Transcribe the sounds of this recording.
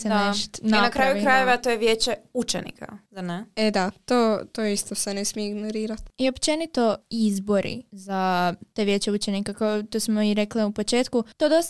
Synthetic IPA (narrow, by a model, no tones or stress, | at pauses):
seneʃt̪ninakɾajuikɾajeʋet̪ojeʋjeːt͡ʃeut͡ʃenḭkʰa̰zaneed̪at̪oːt̪oist̪osenesmieiɡnoɾiːɾat̪io̞pt͡ʃe̞nit̪o̞izbo̞ɾʔḭzat̪eʋjet͡ɕeut͡ʃenikakaot̪osmoiɾekliupot͡ʃeːt̪kut̪oːd̪o̞st̪